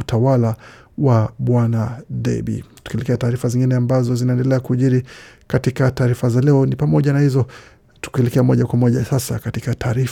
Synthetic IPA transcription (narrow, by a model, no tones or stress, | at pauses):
utawala | waɓwanaɗɛ̰ɓḭtu̥kiɛlɛkɛataːɾifaziŋɡinɛambazɔzinaɛndɛlɛakuʄiɾikatikataːɾifazalɛɔnipamɔʄanahizɔ | tu̥kiɛlɛkɛamɔʄakwamɔʄasasa̰katikatʰaːɾif